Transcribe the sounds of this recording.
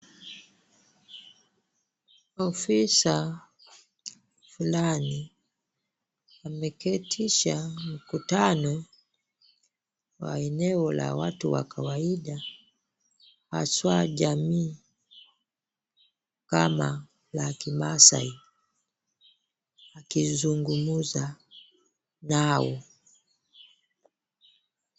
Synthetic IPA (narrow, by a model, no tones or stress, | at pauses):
ɔfisa | fulani | amɛkɛtʰiʃam̩kutanɔ | wa̰ɛnɛɔla̰watuwa̰kʰawaiɗa | ha̰swaʄamiː | kama | lakimasa̰i | akizuŋɡumuza | naɔ